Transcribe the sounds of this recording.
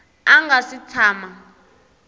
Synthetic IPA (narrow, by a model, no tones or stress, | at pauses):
aŋɡasit͡sʰaːma